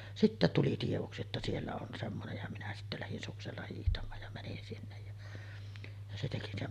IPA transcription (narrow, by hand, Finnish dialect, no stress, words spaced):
sitːæ tuli tieʋoksi etːæ sielːæ on semːonej jɑ minæ sitːæ læhin sukselːɑ hiːhtɑmˑɑːj jɑ mænin sinːej jɑ jɑ se teki ne